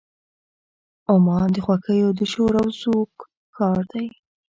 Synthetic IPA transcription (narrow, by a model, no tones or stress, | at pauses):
ʊmɑnd̪əxwakəjod̪əʃoɾawzokʰː | ɑɾd̪aj